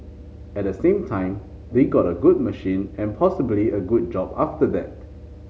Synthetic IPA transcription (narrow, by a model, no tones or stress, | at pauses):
ɛt̚dəsẽmtʰãɪ̃m | d̪eɡɔtəɡud̚məʃĩnɛ̃npʰɔsəbliʔəɡud̚d͡ʒɔbaftədɛt̚